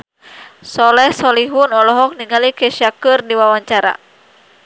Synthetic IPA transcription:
sɔlɛhsɔliɦunɔlɔɦɔk̚niŋalikɛʃiakɨrdiwawaɲt͡ʃaɾa̰

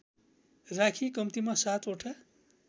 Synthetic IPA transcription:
rakʰikʌmt̪imasat̪ʰoʈʰa

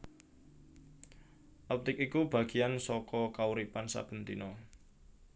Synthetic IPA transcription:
ʔɔp̚t̪ɪkikub̥a̤ɡ̥i̤jansɔkɔkauɾipansa̰b̥ə̤nt̪inɔ

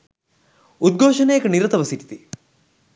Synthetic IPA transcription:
ud̪̚ɡʱoːʃɐnɐjɐkɐniɾɐt̪ɐʋɐsiʈi̥t̪i

